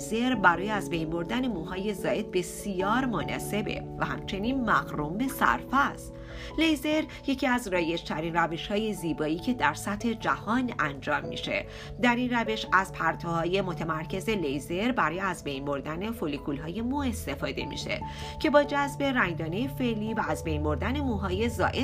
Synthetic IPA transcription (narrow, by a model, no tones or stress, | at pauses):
ze̞ɾbæɾɒːjeæzbe̞jnbo̞ɾd̪æne̞muːɦɒːje̞zɒːʔe̞d̪̥̚be̞sijɒːɾmonɒ̰ːse̞be̞̰væhæ̰mt͡ʃʰe̞niːnmæɣɾumbe̞sæ̰ɾfæst̪ | lejze̞ɾ | je̞cʰiːæzrɒːje̞d͡ʒt̪ʰæɾinræve̞ʃhɒːje̞ziːbɒːiːcʰe̞d̪æɾsæt̪ʰhe̞d͡ʒæhɒːnʔænd͡ʒɒːmːḭːʃe̞̰ | d̪æɾinræve̞ʃæz̥pʰæɾt̪ʰohɒːje̞mo̞t̪ʰemæɾcʰe̞ze̞lejze̞ɾbæɾɒːjeæzbe̞jnbo̞ɾd̪æne̞folikʰulɦɒːje̞mue̞st̪e̞fɒːd̪e̞̰mḭʃe̞̰ | cʰe̞bɒːd͡ʒæzbe̞ɾæŋd̪ɒːnejefe̞ʔliːvæːzbe̞jnbo̞ɾd̪æne̞muːɦɒːje̞zɒ̰ːʔe